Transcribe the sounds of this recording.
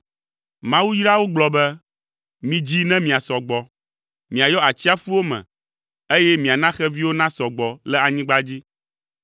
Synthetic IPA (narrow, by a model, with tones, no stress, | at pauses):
mã˦wu˦ji˦ɾa˦wo˦ɡ͡blɔ˦bɛ˦ | mĩ˨d͡ʑi˦nɛ̃˦mĩ˨a˨sɔ˨ɡ͡bɔ˨ | mĩ˨a˨jɔ˦a˨t͡ɕi˦a˦fu˦wo˦mɛ̰̃˨ | e˦jɛ˦mĩ˨a˨nã˦xɛ˦vi˦wo˦nã˦sɔ˨ɡ͡bɔ˨lɛ˦a˨ɲĩ˦ɡ͡ba˦d͡ʑi˦